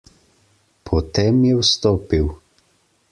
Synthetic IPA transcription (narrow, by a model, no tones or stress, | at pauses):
pʰɔt̪eːmjɛwst̪oːpiw